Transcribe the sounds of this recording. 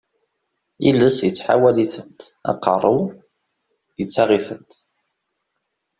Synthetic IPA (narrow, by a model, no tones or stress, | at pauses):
ilːəsjət͡sːħa̰wæliθənt̪ɑ̰qːə̰rˤu | jət͡sːɑʁiθənt̪